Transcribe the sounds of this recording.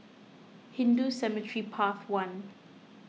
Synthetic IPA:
hĩndusɛmətʰɹipʰaθwãn

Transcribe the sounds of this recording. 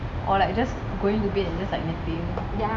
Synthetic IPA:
ʔɔlaɪk̚d͡ʒas | ɡoɪ̃ŋtubitɛ̃nd͡ʒaslaɪk̚nɛkfil

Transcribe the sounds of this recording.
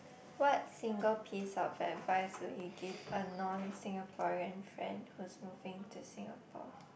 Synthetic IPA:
wɔt̚sɪ̃ŋɡəlpʰisɔvɛtvaɪswɪlhiɡivənɔ̃nsɪ̃ŋəpʰɔɹiə̃nfɹɛ̰̃ndhuɪsmuvɪ̃ŋtʰusɪ̃ŋapʰɔ̰

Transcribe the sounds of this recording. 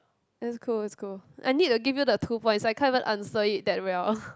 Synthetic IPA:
ɛtskʰulɛtskʰulʔa̰jnit̚tːuɡivjudətʰupɔ̃jntsajkʰãvə̃nʔã̰nsəit̚dɛt̚ɹɛl

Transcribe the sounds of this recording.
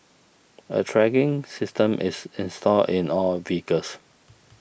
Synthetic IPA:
ə̰tʰɹɛɡɪ̃ŋsɪstə̃mʔɪsɪ̃nstʰɔldɪ̃nɔlvikəs

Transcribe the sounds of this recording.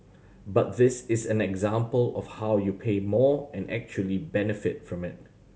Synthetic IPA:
bat̚ðɪsɪsɛ̃nɛɡzãmpəlɔ̰fhaʊjupʰeːmɔɛ̃nʔɛ̰k̚t͡ʃuəlibɛnɪfɪt̚fɹɔ̃mɪt̚

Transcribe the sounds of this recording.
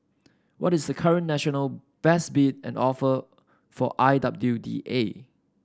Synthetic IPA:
wʔɔtɪsdəkʰaɹə̃nːɛʃɔnəlb̥ɛsbit̚ɛ̰̃nɔfə | fɔʔajdap̚dudḭʔe

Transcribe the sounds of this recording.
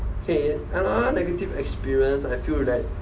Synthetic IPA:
okʰeɛ̃naənɛɡətivɛkspiɹiə̃nsajfilɛt̚

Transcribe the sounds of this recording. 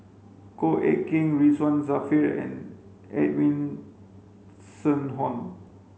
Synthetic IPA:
koʔɛ̰kĩŋɹiswãnzafiɹɛ̰̃n | ɛ̰twĩn | sə̃nɦɔ̃n

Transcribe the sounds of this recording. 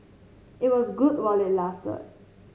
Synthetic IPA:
ɪt̚wʌzɡʊdwalɪtlastə̰

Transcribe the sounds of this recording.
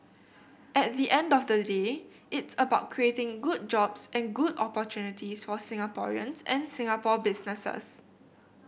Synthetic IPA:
ɛt̚ðiʔɛ̃ndɔfdəde | ʔɪtsəbaʊt̚kʰɹietɪ̃ŋɡud̚d͡ʒɔbsɛ̃nɡudɔpɔtjunitisfɔsɪ̃ŋapɔ̰ɹḭə̰̃nsɛ̰̃nsɪ̃ŋapɔbɪsnəsə̰s

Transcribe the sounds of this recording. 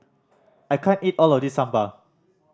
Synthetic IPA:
ʔajkʰãnitɔlɔfdisːãmbə

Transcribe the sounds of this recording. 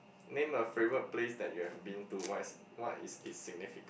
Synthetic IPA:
nẽməfɹewəplesdɛt̚juhɛvbĩntuwas | wɔtḭsitsiɡ̚nifikə̃

